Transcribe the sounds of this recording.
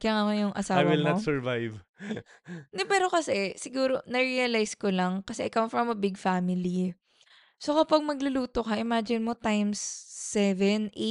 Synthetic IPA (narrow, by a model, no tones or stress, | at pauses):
kɐjaŋɐkojʊŋʔɐ̰saːajwɪlnnɐt̪sɛɹvajv | nɛpɛːɾo̞kɐsɛsɪɡuːɾo̞nɐɹiɐlajskolɐŋkɐsɛʔɪkɐwfɹɐmɐbɪɡfamɪli | sokɐpɐɡ̚mɐɡlʊluːt̪okɐʔɪmad͡ʒɪnmot̪ajmsːɛvɛnʔe